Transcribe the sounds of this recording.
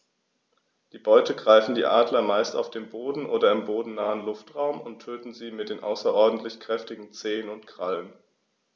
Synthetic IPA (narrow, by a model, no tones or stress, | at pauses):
d̥iːbɔʏtəɡʁaɪfn̩dḭːʔaːdlɐmaɪsta̰ʊfd̥eːmboːdn̩ʔoːdɐɪmboːdn̩naːənlʊftʁ̥aʊmʊntʰːøːtn̩ziːmɪt̚d̥eːnʔa̰ʊsɐʔɔɐdn̩tʰlɪçkʁ̥ɛftɪɡŋ̩t͡seːənʊntkʁ̥alən